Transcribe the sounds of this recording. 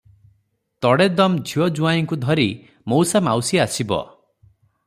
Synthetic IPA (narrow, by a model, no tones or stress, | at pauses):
t̪ɔɽed̪ɔmd͡ʒʱiɔd͡ʒuajiŋkud̪ʱɔɾi | mowsamawsiasibɔ̰